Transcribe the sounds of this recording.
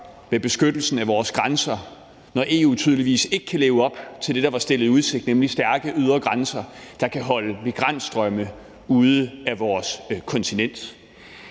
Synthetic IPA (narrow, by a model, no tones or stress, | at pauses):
meb̥e̝sɡ̥ød̥l̩sn̩æʋɒːsɡ̥ʁansɐ | nɒʔe̝ːṵːt͡sʰyð̞ˠliʋḭːse̝ɡ̥əkʰæle̝ːʊɒ̽b̥t͡sʰe̝ld̥e̝d̥ɑ̈ʋɑ̈sd̥e̝lð̞̩ˠuð̞ˠse̝ɡ̥̚d̥nemlisd̥æɐɡ̥əʔyð̞ˠɐɡ̥ʁansɐd̥ɑ̈kʰæɦɒ̽ləmiɡ̥ʁan̰d̥sd̥ʁœmə | uːð̞ˠəæʋɒːskʰɒ̽nt͡sʰinen̰d̥